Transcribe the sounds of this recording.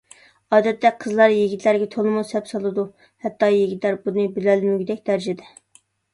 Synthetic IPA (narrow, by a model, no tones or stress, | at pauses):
ɑːd̪ɛt̪ʰːɛqʰəzlˠɑɾjeɡʲit̪ʰlæɾɡʲɛt̪ʰolˠɨmusɛpsɑlˠɨd̪u | hɛt̪ːɑjeɡʲit̪læɾbunɨbɪlælmyɡʲid̪ɛk̚ʲd̪æɾd͡ʒɪd̪ɛ